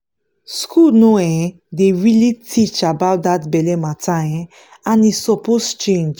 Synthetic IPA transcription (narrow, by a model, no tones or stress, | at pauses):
skʰulnoɛ̃ | deɹilitʰit͡ʃabawt̚d̪atbɛlematʰãj̃ | ãnisɔpost͡ʃẽnd͡ʒ